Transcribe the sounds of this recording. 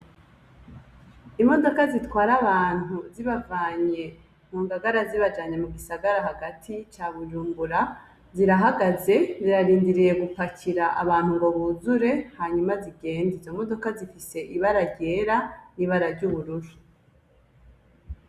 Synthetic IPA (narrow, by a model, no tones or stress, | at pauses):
imo̞do̞kazitwaːɾaβaːn̥uziβavaːɲe̞ | n̥uːŋɡaɡaɾaziβad͡ʒaːɲe̞muɡisaɡaɾaɦaɡatʰit͡ʃaβuʒuːmbuɾa | ziɾaɦaɡaze̞ziɾaɾiːndiɾije̞ɡufacʰiɾaʔaβaːn̥huŋɡo̞βuzuɾe̞haɲumaziɡe̞ːndizo̞mo̞do̞kazifise̞ʔiβaɾaɾɟe̞ːɾaniːβaɾaɾɟuːβuɾuɾu